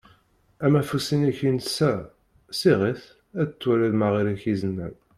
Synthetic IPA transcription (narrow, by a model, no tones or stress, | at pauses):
æmæfusinæçinsæ | siʁiθ | æət͡sːwælæðmaʁiɾæçizənːæn